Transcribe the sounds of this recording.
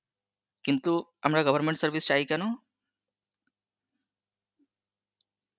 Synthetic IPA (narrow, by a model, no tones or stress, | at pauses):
kint̪uamɾaɡʌbʱəɾmeɳʈsəɾbist͡ʃaikɛno